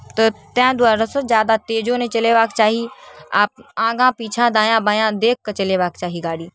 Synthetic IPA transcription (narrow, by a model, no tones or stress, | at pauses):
t̪ət̪ɛ̃ːd̪ʊwaːɾəsəd͡ʒjaːd̪at̪eːd͡ʒõnẽt͡ʃɐleːʋaːkt͡ʃaːɦiaːp̚ãːɡãpiːt͡ʃʰãd̪ãːjãːbaːjãd̪eːkʰkɐt͡ʃɐleːʋaːkt͡ʃaːɦiɡaːɽiː